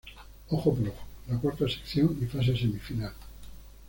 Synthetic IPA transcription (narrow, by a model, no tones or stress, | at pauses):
oχoploχlakwaɾt̪asekθjoŋifas̬e̞s̬emifinal